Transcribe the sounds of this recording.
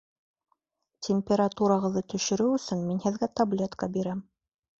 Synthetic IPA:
tʲɪmʲpʲeɾat̪uɾɑʁɤ̆ðːɤt̪ɵ̆ʃɵ̆ɾɘwɵ̆sɵnminhɘ̆ðɡæt̪ɐblʲe̞t̪kɑbiɾæm

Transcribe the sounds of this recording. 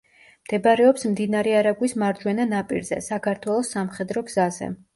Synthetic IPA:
md̪̥ɛbaɾɛɔpsmd̪inaɾɛaɾaɡwismaɾd͡ʒwɛnanapʼḭɾzɛ̰sakʰaɾt̪ʰwɛlˠɔsːamχɛd̪ɾɔɡz̥azɛ̰

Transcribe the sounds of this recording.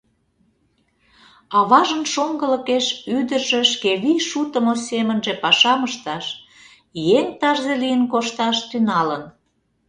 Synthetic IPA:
ɑβɑʒənʃoŋɡələkeʃyd̪ərʒĕʃkeβiʃut̪əmosemənʒepɑʃɑməʃt̪ɑʃ | jeŋt̪ɑʒzelijənkoʃt̪ɑʃt̪ynɑlən

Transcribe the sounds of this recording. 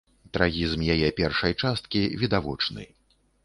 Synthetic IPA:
t̪ɾaɣʲizmjajɛpʲɛrʂɐjt͡ʂast̪kʲivʲid̪avɔt͡ʂnɨ̰

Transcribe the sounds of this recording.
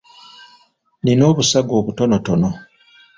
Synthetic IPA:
nino̞ːβusaɡo̞ːβuto̞noto̞no

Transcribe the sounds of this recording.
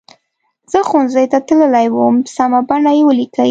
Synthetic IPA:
z̥əxonzəjt̪at̪ləlajwəmsamabaɳajewəlikai

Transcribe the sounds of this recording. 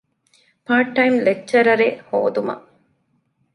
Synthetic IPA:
paːʈːɐjmlek̚t͡ʃːɐɾɐɾeho̰ːd̪umɐ̰

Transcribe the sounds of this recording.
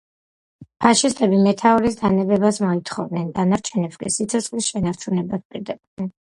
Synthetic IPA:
pʰaʃist̪ʼɛbimɛt̪ʰauɾisd̪anɛbɛbasmɔit̪ʰχɔvd̪nɛnd̪anaɾt͡ʃʰɛnɛpskʼḭsit̪sʰɔt̪sʰʼχʼlisʃɛnaɾt͡ʃʰunɛbas̚pʼiɾd̪ɛbd̪ɛn

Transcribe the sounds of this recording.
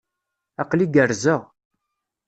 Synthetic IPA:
ɑqliɡəɾzəʁ

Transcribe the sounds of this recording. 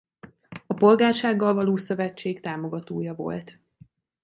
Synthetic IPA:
ɒpo̞lɡaːrʃaːɡːɒlvɒloːsøvɛt͡ʃːeːkt̪aːmo̞ɡɒt̪oːjɒvo̞̰lt̪

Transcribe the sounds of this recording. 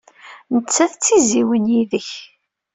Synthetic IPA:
nət͡sːæθt͡sːiziwənjiðəç

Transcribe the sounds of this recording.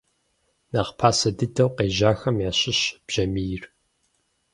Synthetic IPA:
naχpʰaːsɐdɨdʰɐwqeːʒaːxɐmjaːɕɪɕb̥ʒ̥ɐmijɪr

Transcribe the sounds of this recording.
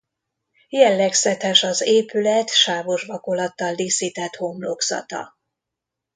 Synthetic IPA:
jɛlːɛksɛt̪ɛʃɒzeːpylɛt̪ʃaːvoʒbɒkolɒt̪ːɒld̪isiːt̪ɛt̪homloksɒ̰t̪ɒ̰

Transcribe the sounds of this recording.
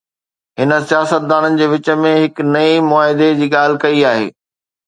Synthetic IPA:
ɦɪnə̆sijaːsət̪̚d̪aːnənɪ̆d͡ʑeːʋɪt͡ɕə̆mẽɦɪknɐimʊaːɦɪd̪ed͡ʑiːɠaːl̤ɪkɐiaːɦḛː

